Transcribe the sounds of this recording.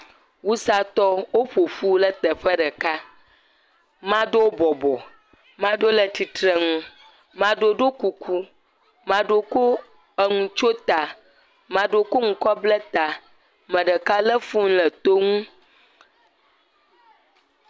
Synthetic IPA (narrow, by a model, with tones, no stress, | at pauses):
wu˦sa˨t̪ɔ˦wo˦ɸo˨ɸu˦lə˦t̪ɛ˨ɸə˦ɖə˨ka˦ | mã˦ɖo˦wo˦bɔ˨bɔ˨ | mã˦ɖo˦lə˨t̪i˨t̪ɾə˨ŋũ˦ | mã˨˦ɖo˦ɖo˦ku˨kʰu˦ | mã˦ɖo˦ko˦ | ə˨ŋũ˨t͡ʃo˦t̪a˨ | mã˨ɖo˦ko˦ŋũ˦kɔ˦blə˦t̪a˨ | mə̃˨ɖə˨ka˦lə˦fũ˦ŋ̩˦lə˨t̪o˦ŋũ˦